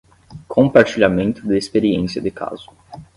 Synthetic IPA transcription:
kʰõpaɾt͡ʃiʎamẽnt̪ʊd̪ɪespeɾiẽsiɐd̪ɪkʰa̰zʊ

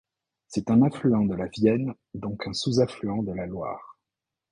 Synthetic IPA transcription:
sɛt̪ɛ̃nãflyɑ̃d̪əlavjɛn | d̪ɔ̃kɛ̃suzaflyɑ̃d̪əlalwa̰ːʁ

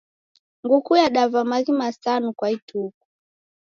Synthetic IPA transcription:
ŋɡukujaɗavamaɣimasanukwaitʰuku̥

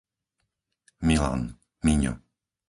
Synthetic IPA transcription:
mila̰n | miɲɔ̰

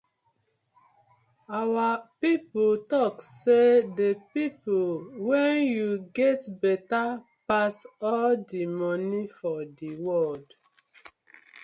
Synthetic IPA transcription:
awapipotɔksedepipowɛ̃njuɡɛtbɛtapasɔldimɔnifɔdiwɔld

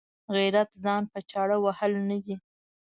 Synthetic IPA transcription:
ɣiɾat̪zɑnpət͡ʃɑɽəwahəlnad̪i

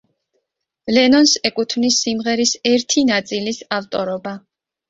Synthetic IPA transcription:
lɛnɔnsɛkʼut̪ʰvnisimʁɛɾisɛɾt̪ʰinat̪sʼilisaft̪ʼɔɾɔba

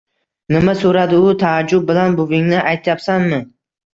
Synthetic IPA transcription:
nɪmasoɾad̪ɪʊt̪ʰaːd͡ʒːʊb̚bɪlanbʊvɪŋnɪʔajt̪ʰjapsanmɪ

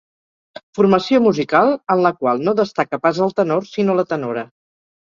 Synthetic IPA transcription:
furməsiomuzikalˠənləkwalˠnoðəst̪akəpazəlˠt̪ənorsinolət̪ənoɾə

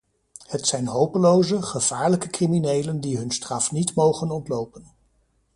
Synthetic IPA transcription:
hətsɛjnɦowpəlowzəχəv̥aːɹləkəkriminejləndiɦɵnstrɑfnitmowχənɔntlowpən

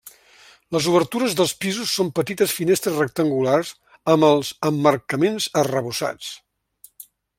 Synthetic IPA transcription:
ləzuβ̞əɾt̪uɾəzðəlˠspizusːompət̪it̪əsfinest̪ɾəzrək̚t̪əŋɡularz | əməlˠzəmːərkəmenzərəβusa̰t͡s

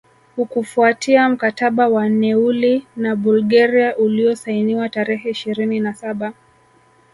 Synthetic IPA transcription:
hukufuatʰiam̩kataɓawan̩nɛulinaɓulɡaɾiaʔuliɔsainiwataɾɛhɛiʃiɾininasaɓa

